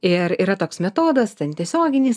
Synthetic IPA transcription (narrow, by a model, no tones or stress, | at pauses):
ɪɾiːɾɐt̪oːksmʲɛt̪oːd̪ɐst̪ʲɛnt̪ʲiɛsʲoːɡʲɪnʲɪːs